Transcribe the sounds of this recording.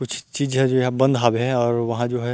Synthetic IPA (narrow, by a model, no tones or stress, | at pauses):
kʊt͡ʃʰt͡ʃiːd͡ʒɦɛ̃d͡ʒoːɦɛbɐ̃nd̪ʱɦaːbɦɛ̃ɔːɾʋɐɦãd͡ʒoːɦɛ